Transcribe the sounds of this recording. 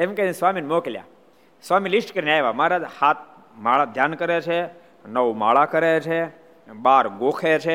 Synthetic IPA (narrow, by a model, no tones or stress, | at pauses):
emkenesʋaminmoklja̰ | sʋamilisʈkəɾinajʋamaɾad͡ʒhat̪̚ | maɭad̪ʱjankəɾet͡ʃʰe | nəʋma̰ɭakəɾet͡ʃʰe | baɾɡokʰet͡ʃʰe